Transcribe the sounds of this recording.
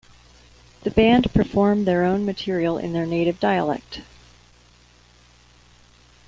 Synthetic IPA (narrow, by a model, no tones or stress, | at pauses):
ðɨbæ̃npʰə˞fɔɹmðə˞õʊ̃nmɨtʰɪɹil̩ˠɪ̰̃nðə˞neɪɾɨvdaɪə̰lɛ̰k̚t